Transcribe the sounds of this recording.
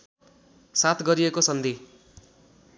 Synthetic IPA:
sat̪ʰɡʌɾiekosʌnd̪i

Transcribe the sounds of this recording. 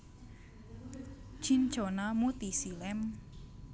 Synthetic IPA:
ʒ̥in̥ʒonamut̪isilɛm

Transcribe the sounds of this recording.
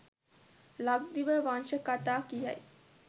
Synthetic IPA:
laɡ̚d̪iʋəʋanʃəkat̪aːkijɐ̰j

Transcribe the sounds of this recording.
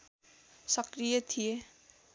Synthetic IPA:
sʌkrijʌt̪ʰije

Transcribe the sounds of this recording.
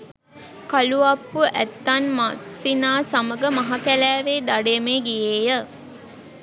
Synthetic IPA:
kaluɐpːuʔæt̪ːanmasinaːsaməɡəmɐɦakælæːʋeːd̪aɖemeːɡijeːjə

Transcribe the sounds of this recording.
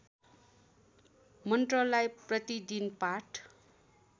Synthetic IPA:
mʌnʈrʌlajprʌt̪id̪inpaʈʰ

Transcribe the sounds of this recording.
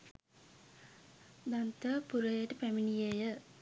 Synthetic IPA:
d̪ɐnt̪əpuɾɐjeʈəpæminijejə

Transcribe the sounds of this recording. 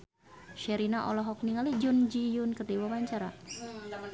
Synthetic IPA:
ʃɛɾinaʔɔ̰lɔɦɔk̚niŋalid͡ʒɔnd͡ʒijunkərdiwabaɲt͡ʃaɾa

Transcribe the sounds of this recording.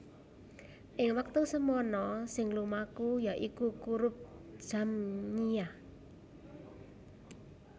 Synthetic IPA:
ʔɪŋwak̚t̪usəmɔnɔsɪŋlumakujaʔikukuɾʊp̚d̥ʒ̥a̤mɲiah

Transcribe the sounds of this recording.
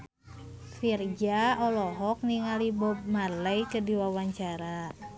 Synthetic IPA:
fird͡ʒaɔlɔɦɔk̚niŋalibɔb̚maləjkədiwawaɲt͡ʃaɾa

